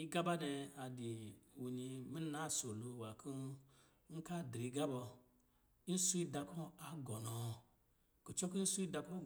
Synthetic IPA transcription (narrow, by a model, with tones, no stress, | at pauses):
i˦ɡa˦ba˦nɛ˧a˨di˨u˨ni˧mi˦n˦a˦so˨lo˧wa˨kʰu˦ | ŋ̩˦ka˦dɾi˨ɡa˦bɔ˧ | n̩˦su˦i˦da˧kɔ˦a˨ɡɔ˨nɔ˨ | ku˨t͡ʃɔ˦ku˦n̩˦su˦i˦da˧ko˦